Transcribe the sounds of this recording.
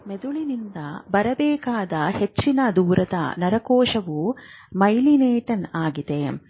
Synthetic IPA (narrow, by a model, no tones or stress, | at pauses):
med̪uɭinind̪ɐbɐɾɐbɛːkaːd̪ɐhet͡ʃːinɐd̪uːɾɐd̪ɐ̰nɐɾɐkɔːʂɐʋu | mɐjlineːʈɐnaːɡid̪e̞